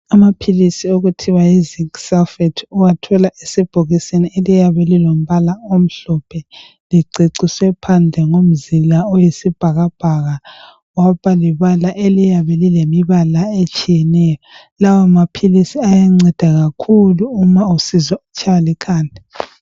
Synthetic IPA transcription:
amapʰilisioɣutʰiwaiziksalfɛtʰuwatʰɔlaʔesib̥ʱoɣisenielijaβɛlilom̩βalaom̩ɬɔpʰɛ | liǀʱiǀiswɛpʰand͡ɮʱɛŋom̩zilaɔjisib̥ʱaɣab̥ʱaɣa | wapaliβalaʔelijaβɛlilemiβalaet͡ʃʼijɛnɛjɔ | lawamapʰilisiajaŋ͡ǀɛd̥ʱaɣakʰuluːmausizɔut͡ʃʰʼalikʰaːnʱi

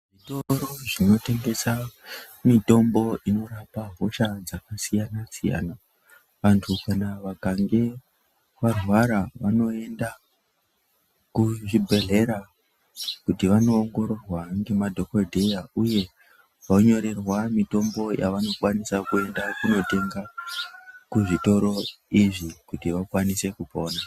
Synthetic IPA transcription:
ʐitoɾoʐino̞te̞ŋɡe̞sa | mito̞mbo̞ʔino̞ɾapaɦo̞ʃad͡zakasijanasija̰na | ʋantʰukanaʋakaŋɡe̞ | ʋarwaɾaʋano̞e̞nda | kuʐibʱe̞ɮe̞ɾa | kutiʋano̞ːŋɡo̞ɾo̞rwaŋɡe̞madʱo̞kodʱejauje̞ | ʋoɲo̞ɾe̞rwamito̞mbo̞jʔaʋano̞kwanisakue̞ndakuno̞te̞ŋɡa | kuʐito̞ɾo̞ | iʐikutiʋakwanise̞kupo̞ːna

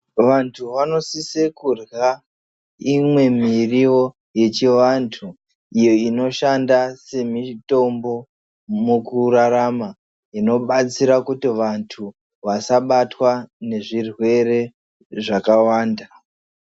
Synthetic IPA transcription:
ʋantʰuʋano̞sisekurɣa | imwe̞mirio̞ | je̞t͡ʃiʋantʰu | ijo̞ino̞ʃandase̞mito̞mbo̞ | mukuraɾama | ino̞ɓat͡siɾakutiʋantʰu | ʋasaɓatwane̞ʐirwe̞ɾe̞ | ʐakawaːnda

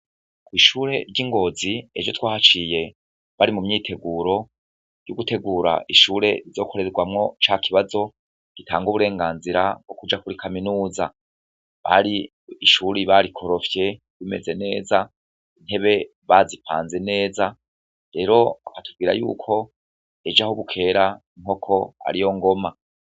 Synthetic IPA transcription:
kwiːʃuːɾe̞̰ɾɟiŋɡo̞ziḛd͡ʒo̞twaːhat͡ʃije̞ | βaɾimumɲiːtʰe̞ɡuɾo̞ | juɡute̞ɡuːɾa̰ʔiʃuːɾe̞ɾizo̞ːkʰo̞ɾe̞ɾeɡwamŋo̞t͡ʃaːkʰiβazo̞ | ɡ̥itʰa̰ːŋɡuβuɾe̞ːŋɡaːnziɾab̚ɡ̥o̞kud͡ʒakuɾikʰaminuːza | βa̰ɾiː | ʃuɾiβaɾikʰo̞ɾo̞fje̞ | βime̞̰ze̞ne̞ːza | in̥he̞βe̞ | βazipʰa̰ːnze̞ne̞ːza | ɾe̞ɾo̞akatuvɡiːɾa̰jṵːkʰo̞ | e̞d͡ʒahuβukʰe̞ɾaiŋ̥o̞kʰo̞a̰ɾijo̞ŋɡo̞ma

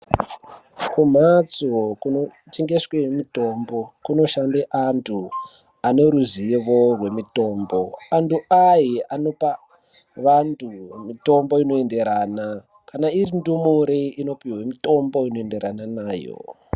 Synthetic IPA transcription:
kum̤at͡sokuno | teŋɡeswemito̞mbo̞kuno̞ʃandeʔantʰu | ane̞ɾuzieʋorwe̞mito̞ːmbo̞antuajiano̞pa | ʋantʰumito̞mbo̞ino̞ende̞ɾana | kanairindumuɾeino̞piwemito̞mbo̞inoende̞ɾananaːjo̰

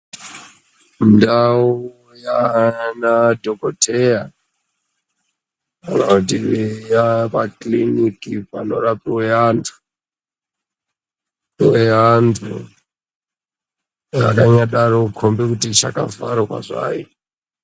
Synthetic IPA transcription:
ndau | janadʱokotʰeja | kanakut̬iijapaklinikipano̞rapiweantʰu̥ | weantʰu | a̰kaɲaɗaɾokʰombekutit͡ʃakavaɾakwa̰ʐa̰ːji

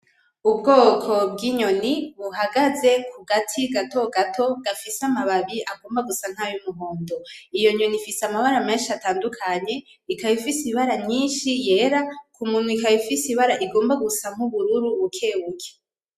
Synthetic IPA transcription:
ubɡo̞ːkʰo̞bɡiɲo̞niβuɦaɡaze̞kʰuɡatʰiɡato̞ɡatʰo̞ɡafisamaβaβiʔaɡo̞ːmbaɡusaŋ̥hajumuɦo̞ːndo̞ijoɲo̞nifisamaβaɾame̞ːnʃiataːndukʰaɲe̞ | ikaβifisiβaɾaɲɲiːnʃije̞ɾakumunwikajifisiβaɾaʔiɡo̞ːmbaɡusaŋ̥huβuɾuɾuβukʰe̞ːwukʰe̥

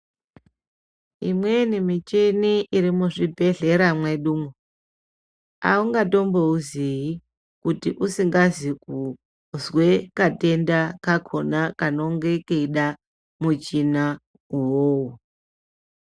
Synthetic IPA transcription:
ḭmwe̞nimit͡ʃiniʔiɾimuʐibʱe̞ɮe̞ɾamweɗuːmo | a̰uŋɡato̞mbouziji | kutiʔusiŋɡaziku | zwekate̞ndakakʰo̞nakano̞ŋɡe̞keiɗa | mut͡ʃina | uwoːwu

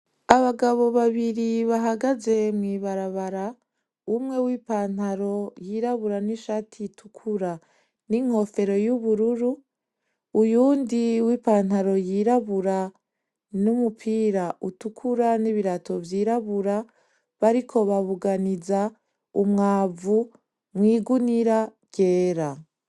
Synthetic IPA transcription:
aβaɡaβo̞βaβiɾiβaɦaɡaze̞mŋiːβaɾaβaɾa | umŋe̞wiːpaːn̥aɾo̞jiːɾaβuɾaniʃaːtʰitʰukʰuɾa | niŋ̥ho̞fe̞ɾo̞juβuɾuɾuː | juːndiwiːpaːn̥haɾo̞jiɾaβuɾa | numupʰiːɾaʔutukʰuɾaniβiɾatʰo̞vjiːɾaβuɾa | βaɾikʰo̞βaβuɡaniza | umŋaːvu | mŋiːɡuniɾa | ɡ̥e̞ːɾa

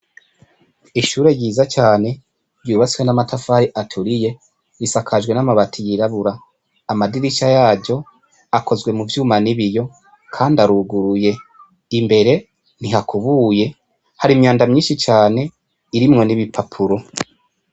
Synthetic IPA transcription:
iʃuːɾe̞ɟiːzat͡ʃaːne̞ | ɾjuːβat͡si̥wenamatʰafaɾiʔatʰuɾije̞ | ɾisakʰaʒwe̞namaβatʰijiɾaβuɾaː | madiɾiʃajaːɟo̞ | ako̞zɡwe̞muvjuːmaniβijo̞ | kʰaːndaɾuɡuɾuje̞ | imbe̞ɾe̞ | niɦakuβuːje̞ | haɾimɲaːndamɲiːnʃit͡ʃaːne̞ | iɾimŋo̞niβipʰapʰuɾo̞

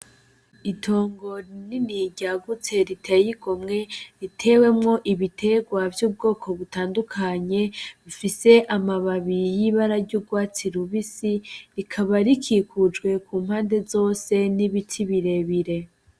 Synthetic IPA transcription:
itʰo̞ːŋɡo̞niniɟaɡut͡se̞ɾitʰejiɡomŋe̞ɾitʰe̞we̞mŋo̞ʔiβitʰe̞ɡwavjuːb̚ɡo̞ːkʰo̞βutaːndukʰaɲe̞βifise̞ʔamaβaβijiβaɾaɾɟuːb̚ɡwaːt͡siɾuβisiɾikʰaβaɾikʰiːkʰud͡ʒɡwe̞kuːm̥haːnde̞zo̞ːse̞niβitʰiβiɾe̞βiɾe̞

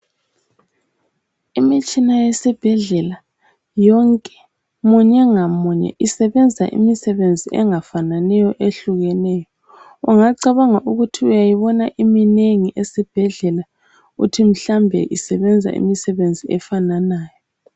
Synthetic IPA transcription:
imit͡ʃʼinajɛsib̥ʱɛɮɛla | jɔŋkʼɛ̥ | muɲɛŋamuɲɛ̰ʔisɛβɛnd͡zʱaʔḭmisɛβend͡zʱiʔɛ̰ŋafananɛjɔʔeɬuɣɛnɛjɔ | uŋaǀaβaŋaʔuɣutʰiujajiβɔnaʔimineŋiʔesib̥ʱɛɮɛla | ṵtʰim̩ɬambʱɛ̰ʔisɛβɛnd͡zʱa̰ʔḭmisɛβend͡zʱiɛfananaːjɔ

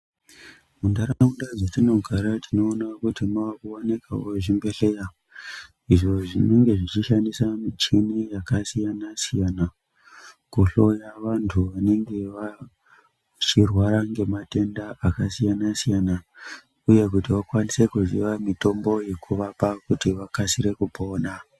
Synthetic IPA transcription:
mundaɾaundad͡zatino̞ɡʱaɾatʰino̞ːnakutimawakuwanikawoʐimbe̞ɬejao | iʐo̞ʐine̞ŋɡe̞ʐit͡ʃiʃandisamit͡ʃinijakasijanasijana | kuɬo̞jaʋantʰuʋane̞ŋɡe̞ʋa | t͡ʃirwaɾaŋɡe̞mate̞ndaʔakasijanasijana | uje̞k̬utiʋakwanisekuzḭʋamito̞mbo̞je̞kʰuʋapakutiʋakasiɾe̞kupo̞ːna

